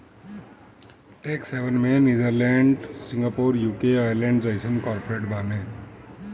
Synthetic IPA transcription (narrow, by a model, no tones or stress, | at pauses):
ʈekseʋənmẽniːd͡ʒəɾlɛːɳɖsɪ̃ŋɡapoːɾjuːkeajəɾlẽːɳɖzəɪsənkɔːɾpoɾeːʈbaːne